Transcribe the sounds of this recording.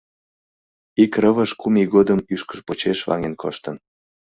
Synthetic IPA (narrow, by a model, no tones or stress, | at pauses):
ikrəβəʃkumiɣod̪əmyʃkəʃpot͡ɕeʃvɑ̰ŋenkʰo̰ʃt̪ən